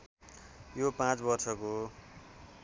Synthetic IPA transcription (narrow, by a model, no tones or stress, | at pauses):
jopãt͡sbʌrsʰʌko